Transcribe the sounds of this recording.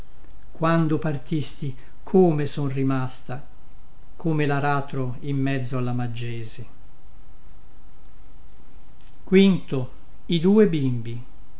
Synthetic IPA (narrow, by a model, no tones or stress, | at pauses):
kwand̪opart̪ist̪i | kʰoːmesɔnrimast̪a | kʰomelaɾaːt̪ɾo | imːɛd̪zːoalːamad͡ʒːɛːze | kwint̪o | id̪uːebimbi